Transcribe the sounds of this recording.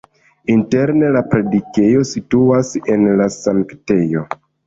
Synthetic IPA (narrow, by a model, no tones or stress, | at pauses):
inte̞ɾne̞lapɾe̞dike̞jo̞situase̞nlasaŋkte̞jo̞